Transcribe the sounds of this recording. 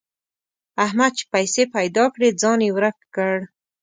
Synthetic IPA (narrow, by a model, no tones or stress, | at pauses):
ahmad̪̚t͡ʃe̥pajsepajd̪ɑkɽed͡zɑnjewɾəkːəɽ